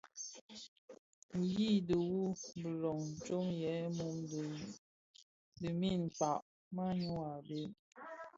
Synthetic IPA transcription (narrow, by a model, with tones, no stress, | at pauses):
ŋ̩˨ji˦˨də˨wu˦bə˨lɔ˨ŋ˨t͡ʃo˦ŋjɛ˨˦mu˦m˨ | di˨mi˦˨n̩˨k͡pa˨ʔ | ma˦ɲu˦a˨be˨˦